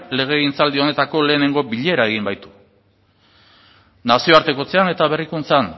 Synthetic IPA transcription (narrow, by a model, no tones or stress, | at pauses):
le̞ɣ̞e̞int͡sald̪io̞ne̞t̪ako̞le̞ːne̞ŋɡo̞biʎe̞ɾae̞ɣ̞imbajt̪u̥ | nasio̞aɾt̪e̞ko̞t͡se̞ane̞t̪aβe̞rikunt͡san